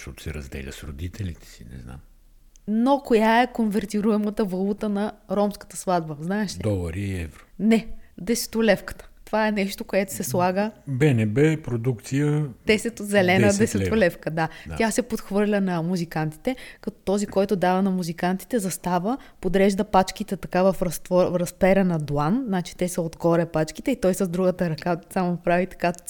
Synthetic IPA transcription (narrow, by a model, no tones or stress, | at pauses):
ʃt̪ɔt̪ʊ̥sɛɾɐ̰zd̪ɛ̰lʲə̰sɾo̰d̪it̪ʰɛlʲit̪ɛ̥sḭnɛ̰zna̰m | nokojaɛkonvɛɾt̪iɾuɛmət̪əvɐlˠut̪ənɐɾɔmskə̥t̪əslˠad̪bəznaɛʃd̪ɔlˠɐɾiɛ̰vɾonɛd̪ɛsɛ̥t̪olɛfkə̥t̪ə̥t̪ovaɛnɛʃt̪okoɛt̪o̥sɛslˠaɡəbɛnɛbɛpɾod̪ukt̪sijət̪ɛsɛt̪ot̪zɛlɛnəd̪ɛsɛt̪olɛfkəd̪ad̪atʲasɛpot̪xvɤɾlʲənɐmuzikant̪i̥t̪ɛkɐt̪ɔt̪ɔzikɔjt̪ʊd̪avɐnɐmuzikant̪i̥t̪ɛzɐst̪avəpod̪ɾɛʒd̪ɐpat͡ʃk̟it̪ɛt̪ɐkavɐfɾɐst̪vɔɾɐspɛɾɛnɐd̪wanznat͡ʃi̥t̪ɛsɛod̪ɡɔɾʲɛpat͡ʃkit̪ɛit̪ɔjsɐzd̪ɾuɡət̪əɾɐkasamopɾavit̪ɐ̥ka